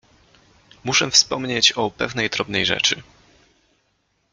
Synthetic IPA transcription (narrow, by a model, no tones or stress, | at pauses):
muʂɛfspɔmɲet͡ɕɔpɛvnɛjd̪ɾɔbnɛjʐɛ̰t͡ʂɘ